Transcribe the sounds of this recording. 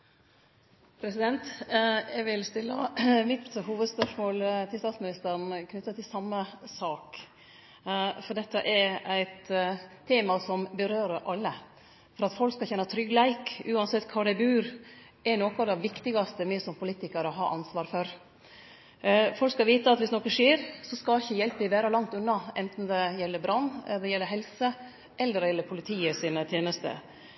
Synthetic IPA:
pʰɾɛsɪd̪ɛnt̪ɛɡʋɪlst̪ɪlːə̰mɪt̪huːʋəd̪spœʂmoːlt̪ʰɪlst̪ɑːt̪smɪnɪst̪əɾɳ̩kʰnʏt̪ːət̪ʰɪlsɑmːəsɑːk | fɔɖ̪ɛt̪ːəʔɛɾæɪt̪ʰː | eːmɑsɔmbəɾøːɾəʔɑlːə | fɔɾɑt̪fɔlkskɑçɛnːət̪ʰɾʏɡlæɪkʉːɑnsɛt̪ːkʰɑːɖɛɪbʉːɾ | ɛnoːkɑd̪ɛʋɪkt̪ɪɡɑst̪əmɛːsɔmpʰʊliːt̪ɪkɑɾɔɦɑ̰ːʔɑnsʋɑːɾfɔɾ | fɔlkskɑʋiːt̪əɑt̪ʋɪsnokəʂiːɾsɔskɑlɪçːəjɛlpəd̪ɪʋæːɾɑlɑŋt̪ʉnːɑɛnt̪n̩d̪ɛjɛlːəɾbɾɑnːd̪ɛjɛlːəɾɦɛlsə | ʔɛlːəɾɛjɛlːəɾpʰʊlɪt̪ʰiːəsiːnət̪ʰjeːnəst̪ə̰

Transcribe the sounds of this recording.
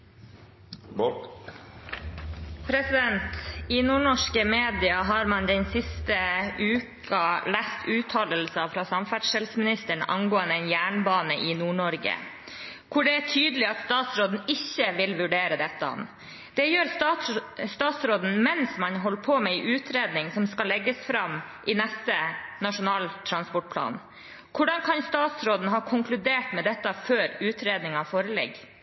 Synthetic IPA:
pʰɾɛsɪd̪ɛnt̪iːnuːɳɔʂkəmeːd̪ɪɑɦɑːɾmɑnd̪ɛnsɪst̪əʉːk | ɑlæst̪ʰʉːt̪ʰɑːləlsəɑfɾɑːsɑmfæʈʂɛlsmɪnɪst̪əɳɑ̰ŋɡoːənd̪əɛɪnjæːɳbɑːnəʔɪnuːɳɔɾɡə̰ | kʰʊɖɛæʈʰyːd̪əlɪɑt̪st̪ɑːt̪sɾoːd̪n̩ɪçːəʋɪlʋʉɖeːɾəd̪ɛt̪ːəɔ̰n | d̪̥ɛjøːɾ | st̪ɑːt̪sɾoːd̪n̩mɛnsmɑnɦɔlːpʰomɛɪʔʉːt̪ʰɾeːd̪nɪŋsɔmskɑlːɛɡːəsfɾɑm | ʔɪnɛst̪ənɑʂʊnɑːlt̪ʰɾɑnspɔʈ̚pʰlɑ̰ːn | kʰʊɖɑŋkʰɑnst̪ɑːt̪sɾoːd̪n̩ɦɑːkʰʊŋkʰlʉd̪eːʈmɛd̪ɛt̪ːɑføːɾʉːt̪ɾeːd̪nɪŋɑfoːɾəlɛ̰ɡ

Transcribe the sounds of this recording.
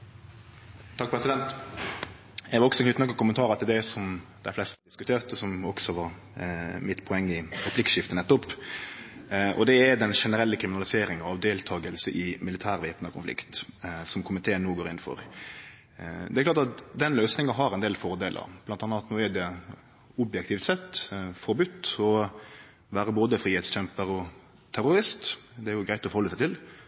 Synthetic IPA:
t̪ʰɑk̚pʰɾɛsɪd̪ɛnt̪ | jɛʋɑɾɔksɔɛk̪ɪt̪nɑkːəkʰʊmənt̪ʰɑːɾət̪ʰɪld̪ɛsɔmd̪̥æɪflɛst̪əd̪ɪskʉt̪ʰeːʁt̪ɔsɔmɔksɔʋɑɾ | mɪt̪pʰɔɛŋːɪɾɛpʰlɪkʂɪft̪ənɛt̪ːɔpː | ʔɔ̰d̪ɛæd̪ɛnʂɛnəɾɛlːəkʰɾɪmɪnɑlɪseːɾɪŋɑɑʋd̪eːlt̪ʰɑːɡəlsəʔɪmɪlɪt̪ʰæːɾʋeːpnəkʰʊnflɪ̰kt̪sɔmkʰʊmɪt̪ʰeːnːuːɡoːɾɪnːfɔ̰ɾ | d̪ɛæɾklɑːɾt̪ɑt̪d̪ɛnløːsnɪŋɑɦɑɾɛnd̪eːlfɔɾd̪eːlʔə̰ɾb̥̪ɑnt̪ɑnːɑɑt̪mʊʋeːd̪ɪɑ | ʊbjɛkt̪ʰɪːft̪sɛt̪ːfɔɾbʉt̪ːɔ | ʋæːɾəboːd̪əfɾiːhɛt̪st͡ɕɛmpəɾɔ | t̪ʰæɾʊɾɪst̪d̪ɛæɾjʊɡɾæɪt̪ɔfɔɾhɔlːəsæɪt̪ɪl

